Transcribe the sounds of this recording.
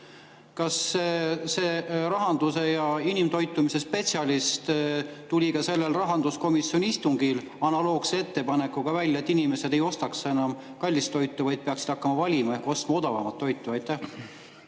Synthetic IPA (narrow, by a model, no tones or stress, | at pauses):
kɑs | seːɾɑɦɑnd̪use̞jɑinimt̪o̞jt̪ːˑumise̞spe̞t̪sʲɑlist̪t̪ulʲikɑse̞lːelrɑɦɑnd̪usko̞misjo̞niist̪uŋɡil | ɑnɑlo̞ːɡsee̞t̪ːe̞pɑne̞kːˑuɡ̥ɑvælʲːɑet̪ːinime̞se̞d̪e̞jo̞st̪ɑksenɑm | kɑlʲːist̪ːo̞jt̪ːˑuvɑjd̪̚peɑksid̪ɑkːɑmɑvɑlʲimɑehko̞st̪mɑo̞d̪̥ɑvɑmɑt̪ːo̞jt̪ːˑuɑjt̪ːˑæh